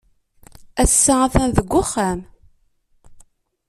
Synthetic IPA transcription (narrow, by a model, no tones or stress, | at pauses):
æsːaaθænðəɡʷːʊχːæm